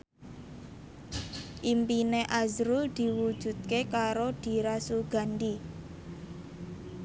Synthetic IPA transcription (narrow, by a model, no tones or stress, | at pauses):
ʔimpineʔazɾʊld̪̥i̤wud̥ʒ̥ṳt̪̚kekaɾod̪̥i̤ɾasuɡ̥a̤nd̪i